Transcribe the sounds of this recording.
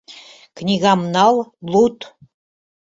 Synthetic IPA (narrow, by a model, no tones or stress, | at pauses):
knʲiɣɑmnɑlˠlut̪